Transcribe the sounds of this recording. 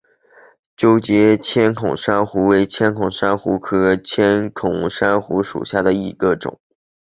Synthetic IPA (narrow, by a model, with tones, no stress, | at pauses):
t͡ɕjo˥ʊt͡ɕjɛ˧˥t͡ɕʰjɛ˥nkʰʊ˨˩ŋʂa˥nxu˧˥we˧˥ɪt͡ɕʰjɛ˥nkʰʊ˨˩ŋʂa˥nxu˧˥kʰɤ˧˥t͡ɕʰjɛ˥nkʰʊ˨˩ŋʂa˥nxu˧˥ʂṵ˨˩ɕja˥˩d̪ə˩i˨˩ɡ̥ə˧ʈ͡ʂʊ̰˨˩˦ŋ